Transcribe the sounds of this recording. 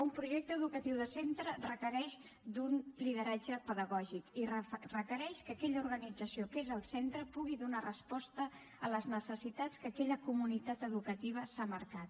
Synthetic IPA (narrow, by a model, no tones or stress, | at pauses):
umpɾuʒɛk̚t̪əðukət̪iwðəsent̪ɾərəkəɾɛʃ | d̪unliðəɾad͡ʒəpəðəɣɔʒikirrəkəɾɛʃkəkɛʎəuɾɣənid͡zəsiokezəlˠsent̪ɾəpuɣiðunarəspɔst̪ə | ələznəsəsit̪at͡skəkɛʎəkumunit̪at̪əðukət̪iβ̞əsaməɾkat̪